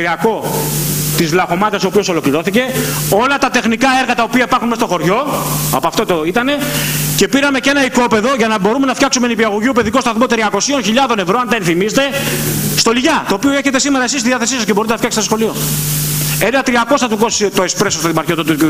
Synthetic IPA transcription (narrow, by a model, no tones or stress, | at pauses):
ɾiɐko̞ | t̪izlɐxo̞mɐt̪ɐsoːpio̞so̞lo̞kliɾo̞θice̞o̞lɐt̪ɐt̪e̞xnikɐe̞ɾɣɐt̪ɐopiɐipɐɾxunmest̪o̞xo̞ɾʝo̞ɐ̰poɐft̪ot̪oit̪ɐne̞ce̞piɾɐme̞ce̞nɐiko̞pe̞ðo̞ʝɐnɐbo̞ɾume̞nɐfçɐksumenipiɐɣoʝiupe̞ðikot̪ɐθmo̞t̪ɾiɐko̞sio̞nçiʎɐðo̞ne̞vɾoɐnd̪ɐenθimiset̪e̞st̪o̞liʝɐt̪o̞ːpio̞e̞çe̞t̪e̞simeɾɐesist̪iðiɐθesisɐs̬ceboɾit̪enɐftçɐkst̪t̪sxo̞lio̞ | e̞nɐt̪ɾiɐko̞st̪ɐt̪ukost̪oespɾe̞sost̪ɐt̪imɐɾçot̪ot̪uu